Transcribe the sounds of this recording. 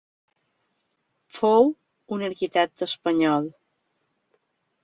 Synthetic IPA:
fow | unəɾkit̪ɛk̚t̪əːspəɲɔlˠ

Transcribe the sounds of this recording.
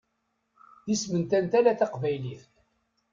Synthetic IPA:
ðismənt̪ænt̪ælæθɑqvæjliθ

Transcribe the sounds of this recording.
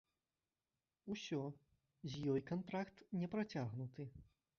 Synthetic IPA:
usʲɔ | zʲjɔjkant̪ɾakt̪nʲɛpɾat͡sʲaɣnut̪ɨ

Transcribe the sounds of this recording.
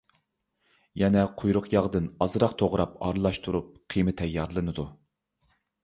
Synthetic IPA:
jɛnɛqʰojɾʊqʰjɑʁd̪ɨnɑzɨɾɑqt̪ʰoʁɾɑp̚ɑ̰ɾɨlˠɑʃt̪ʰuɾup̚qʰimɨt̪ʰɛjːɑɾlˠɨnɨd̪u

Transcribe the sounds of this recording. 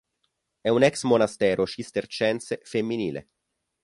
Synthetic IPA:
ɛunɛksmonast̪ɛːɾʔoʃist̪ert͡ʃɛnt̪sefemːiniːlḛ

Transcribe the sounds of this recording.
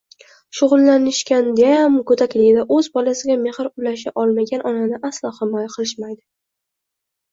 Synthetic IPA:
ʃʊʁʊlˠːanɪʃkʲand̪aamkʰɵt̪ʰakʲlɪɡʲɪd̪aʔɵzbɒlasɪɡʲame̞hɨɾʊlaʃaʔɒlˠmaɡʲanʔɒnanɪʔaslˠɒhɪmɒjaqʰɨlˠɪʃmajd̪ɪ

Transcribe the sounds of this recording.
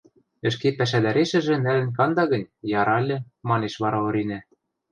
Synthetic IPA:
ɘ̆ʃkepæʃ̬æd̪æɾeʃɘ̆ʒɘ̆nælɘ̆nkɑnd̪ɑɣɤ̆nʲjɑɾɑlʲːɘ̆ | mɑneʃβɑɾɑŏɾinæ

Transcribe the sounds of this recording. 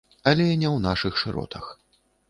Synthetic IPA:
ɐlʲɛnʲɛwnaʂɨxʂɨɾɔ̰t̪ʰɐx

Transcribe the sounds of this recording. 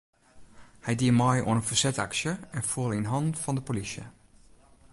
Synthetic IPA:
hɛjdiəmɔjo̰ənənfərsɛta̰ksjəɛnfuəlˠinɦɔntfɔndəpolisjə̰

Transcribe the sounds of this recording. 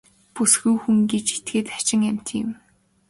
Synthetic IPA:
pusxujxuŋɡet͡ɕet̪ɡeːt̪ḁt͡ɕɪ̆ŋam̥ʲt̪ʰːɪ̰̆m

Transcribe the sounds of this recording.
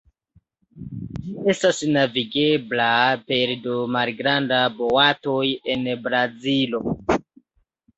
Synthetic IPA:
d͡ʒie̞stasnaviɡe̞blape̞ɾdomalɡɾandabo̞ato̞je̞nbɾazilo̞

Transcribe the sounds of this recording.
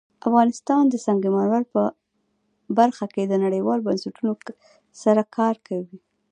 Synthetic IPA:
afɣɑnɪst̪ɑnd̪əsɑŋɡemanwaɾpə | baɾxaked̪ənaɽəjwɑlobansaʈuno | saɾakʰɑɾkʰawi

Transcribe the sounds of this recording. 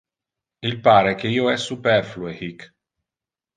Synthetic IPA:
ilpaːɾek̟eiːoɛsːupɛrfluehik

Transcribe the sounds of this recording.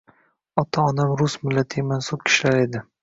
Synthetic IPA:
ɒt̪ʰaɒnamɾʊsmɪlːat̪ʰɪmansʊp̚kʲʰɪ̥ʃlaɾe̞d̪ɪ

